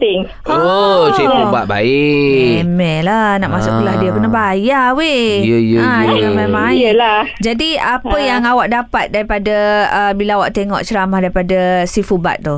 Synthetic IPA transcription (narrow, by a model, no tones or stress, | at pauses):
t̪ɪŋ | osifuba̰ʔ̚ba̰eemɛlanaʔmasʊʔkəlahdiapərnaɦbajawejəjəad͡ʒaŋamemãŋajlahd͡ʒadiapəjaŋawaʔ̚dapat̪̚daɾipadaəbilaawaʔt̪eŋɔ̰ʔt͡ʃəɾamahdaɾipadasifuba̰t̪̚t̪u